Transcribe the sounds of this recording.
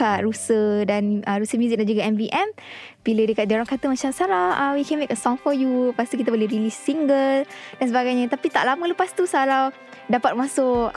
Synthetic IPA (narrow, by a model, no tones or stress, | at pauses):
aʔɾusədanəɾusəmjuzik̚dand͡ʒuɡaɛmviʔɛm | bilədəkat̪̚dioɾaŋkat̪əmat͡ʃamsalawawikɛ̃nmekəsɔ̃ŋfɔjupast̪ukit̪abolehɾilisːiŋɡəldansəbaɡajɲə̃t̪apit̪aʔlamə̃ləpast̪usalaw | dapat̪̚masʊk